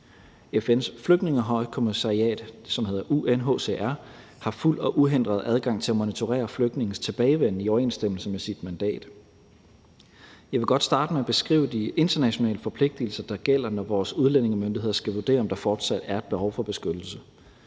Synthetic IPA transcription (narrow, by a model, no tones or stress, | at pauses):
efen̰sfløɡ̥ne̝ŋəɦɒ̽ɪ̰kʰo̝misɑ̈ʁiɛ̰ːd̥sɒ̽mhe̝ð̰ˠɐʔuʔenɦo̰ːse̝̰ːʔæɐ | hɑ̈ful̰ɒ̽ʔuɦend̥ʁɐðˠʔæð̞ˠɡ̥ɑ̈ŋ̰t͡sʰe̝læmonit͡sʰo̝ʁɛ̰ːɐfløɡ̥̚dne̝ŋn̩st͡sʰe̝b̥ɛːɪʋen̰iɒʊɐe̝̰ːnsd̥em̰l̩səmesid̥mænd̥ɛ̰ːd̥ | jɑ̈ɪʋe̝ɡ̥ɒ̽d̥sd̥ɑ̈ːd̥əmeæb̥e̝sɡ̥ʁḭːʊəd̥ie̝nd̥ɐnæɕo̝nɛ̰ːləfɒ̽pʰle̝ɡ̥̚d̥il̩sɐd̥ɑ̈ɡ̥el̰ɐnɒʋɒːsuðˠlene̝ŋəmønd̥iɦe̝ð̰ˠɐsɡ̥æʋuɐd̥e̝̰ːɐɒ̽md̥ɑ̈fɒːd̥sæd̥æɐed̥̚b̥e̝hɒʊfɒ̽b̥e̝sɡ̥ød̥l̩sə